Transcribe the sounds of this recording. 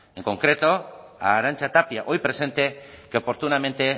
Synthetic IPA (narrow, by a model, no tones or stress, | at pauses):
eŋko̞ŋkɾe̞t̪o | aɾant͡ʃat̪apiaʔo̞jpɾe̞se̞nt̪e̞keopo̞ɾt̪unamẽ̞nt̪e